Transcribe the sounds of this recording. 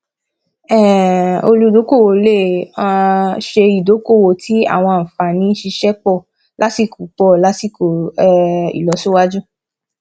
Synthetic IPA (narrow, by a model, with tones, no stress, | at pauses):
ɛ˦˨o̰˧lu˧˨do˨˦ko˦˨wo˨le˦˨ã˧ʃe˧i˨do˨˦ko˦˨wo˨tʰi˦a̰˦˨w̃ɔ̃˧˨fa˨nĩ˨˦ʃi˧ʃɛ˦k͡pɔ˦˨ | lʔa˦ti˦˨ku˨k͡pɔ˦˨la˨˦ti˦˨ko˨˦ | ḭ˨lɔ˨˦su˦wa˦d͡ʒu˦